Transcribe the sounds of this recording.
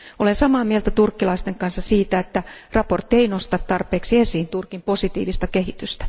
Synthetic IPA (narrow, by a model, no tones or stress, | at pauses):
olensɑmɑːmielt̪æt̪urkːilɑist̪eŋkɑnsːɑsiːt̪æet̪ːærɑport̪ːieinost̪ɑt̪t̪ɑrpeːksiesiːnt̪urkimposit̪ḭːʋist̪ɑkehit̪yst̪æ̥